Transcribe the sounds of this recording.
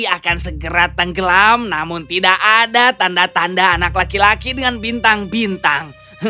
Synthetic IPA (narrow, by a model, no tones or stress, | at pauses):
akansəɡəɾat̪əŋɡəlamnamʊnt̪idaʔadat̪andat̪andaːnaklakilakidəŋanbint̪aŋbint̪aŋ